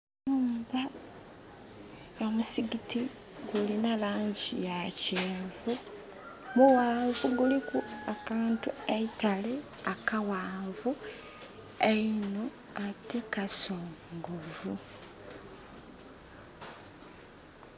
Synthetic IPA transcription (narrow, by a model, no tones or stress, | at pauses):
muːmba | jamusiɡiti | ɡulinalaːɲɟḭjaceːvu | muwaːvuɡulikuakaːntueitale | akawaːvu | eino̞ | atekasoːŋɡovu